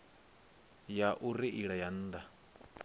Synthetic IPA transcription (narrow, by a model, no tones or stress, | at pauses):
jaʔuɾiʔiɺajan̩ːd̪a